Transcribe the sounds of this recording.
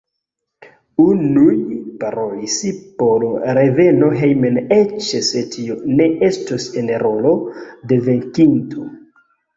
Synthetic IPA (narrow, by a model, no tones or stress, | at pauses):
unujpaɾojisipoɾɾe̞ve̞no̞ɦejmenet͡ʃsetʰione̞ʔestosenɾo̞lo̞de̞ve̞ŋkinto